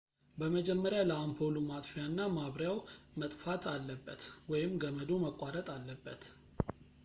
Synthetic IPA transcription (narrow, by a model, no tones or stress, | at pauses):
bəməd͡ʒɛmːəɾjaləampʰolumat̪ʼfijanːamaβɾjawmət̪ʼfat̪ʰalːəbːət̪wɔjɪmːɡəməd̪oməkʼwaɾət̪ʼalːəbːət̪